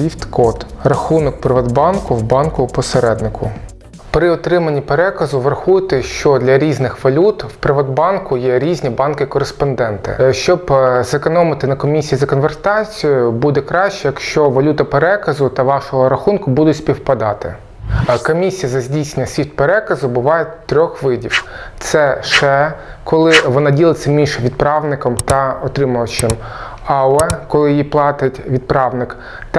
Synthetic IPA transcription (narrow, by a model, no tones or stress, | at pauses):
ift̪kɔt̪rɐxunɔkpɾɪʋɐd̪bɑnkʊwbɑnkʊpɔseɾɛd̪nɪkʰʊ | pɾɪɔt̪ɾɪmɐnʲːipeɾɛkɐzʊʋɾɐxujɪt̪ɪʃt͡ʃɔd̪lʲɐɾʲiznɪxʋɐlʲut̪wpɾɪʋɐd̪bɑnkʊjɛɾʲizʲnʲibɑnkɪkɔɾespɔnd̪ɛnt̪ɪ̰ʃt͡ʃɔbzekɔnɔmɪt̪ɪnɐkɔmʲisʲijizɐkɔnʋert̪ɑt͡sʲijʊbud̪ɛkɾɑʃt͡ʃɛjɐkʃt͡ʃɔʋɐlʲut̪ɐpeɾɛkɐzʊt̪ɐʋɑʃɔɦɔɾɐxunkʊbud̪ʊtʲsʲpʲiwpɐd̪ɑt̪ɪ̰ | kɔmʲisʲijɐzɐzʲdʲisʲnʲːɐsʲʋʲit̪̚peɾɛkɐzʊbʊʋɑjɛt̪ːɾʲɔxʋɪdʲiwt̪sɛʃɛkɔlˠɪʋɔnɑdʲilˠɪtʲsʲːɐmʲinʲʃɛʋʲid̪̚pɾɑʋnɪkɔmt̪ɐɔt̪ɾɪmʊʋɐt͡ʃɪm | ɑʊɛkɔlˠɪjiplˠɑt̪ɪtʲʋʲid̪̚pɾɑʋnɪk | t̪